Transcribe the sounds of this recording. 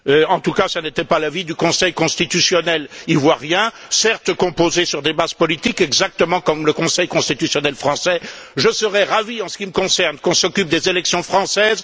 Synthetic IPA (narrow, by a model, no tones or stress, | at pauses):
øɑ̃t̪ukasanet̪ɛpalavid̪ykɔ̃sɛjkɔ̃st̪it̪ysjɔnɛlivwaʁjɛ̃sɛʁt̪kɔ̃pozesyʁd̪ebazpɔlit̪ikɛɡzak̚t̪əmɑ̃kɔmləkɔ̃sɛjkɔ̃st̪it̪ysjɔnɛlfχɑ̃sɛʒəsəʁɛʁaviɑ̃sə̥kʲiməkɔ̃sɛʁnkɔ̃sɔkʲyp̚d̪ezelɛksjɔ̃fχɑ̃sɛz